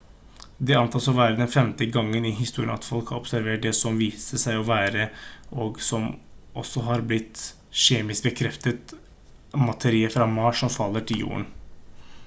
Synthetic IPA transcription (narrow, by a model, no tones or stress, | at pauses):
d̪ɛɑnt̪ʰɑːsɔʋæːɾəd̪ɛnfɛmt̪əɡɑŋːənɪɦɪst̪uːɾɪə̰nɑ̰t̪fɔlkhɑɾɔpsæɾʋeːʈ̚ɖ̪ɛsɔmʋiːsəsæɪɔʋæːɾəʔɔɡsɔmʔɔ̰sːɔɦɑɾblɪt̪ː | ʃeːmɪsk̚bəkʰɾɛft̪ət̪ | mɑt̪ʰəɾiːəfɾɑmɑʂɔmfɑlːəʈʰɪljṵːə̰ɳ